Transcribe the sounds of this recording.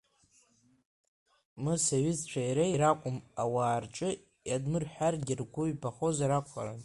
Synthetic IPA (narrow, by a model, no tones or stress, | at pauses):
mɨsaɥɪzt͡ʃʷʰaiɾejɾakʷʼʊmawaːrʈ͡ʂʼɨ | jadmɨrħʷᶣarɡʲɪrɡʷʊɥpʰaχo̞zaɾakʷʰa̰ɾa̰n